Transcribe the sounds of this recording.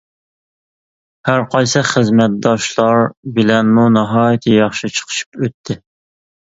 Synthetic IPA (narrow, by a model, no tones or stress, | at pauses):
hæɾqʰɑjsɨχəzmɛt̪̚d̪ɑʃlˠɑɾbɪlɛnmunɨɦɑːjɨt̪ʰɪjɑχʃit͡ʃʰə̥qʰə̥ʃi̥pøt̪ʰːɪ